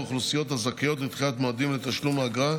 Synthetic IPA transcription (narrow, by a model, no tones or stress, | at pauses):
χlusijo̞t̪azakijo̞t̪lit̪χilat̪moad̪imlet̪aʃlumaɡʁa